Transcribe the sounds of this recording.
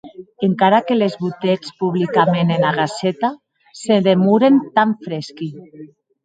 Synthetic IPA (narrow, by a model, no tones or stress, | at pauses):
eŋkaɾakelezβut̪et͡spuβlikamenenaɣ̞aset̪a | seðemuɾent̪aɱfɾeski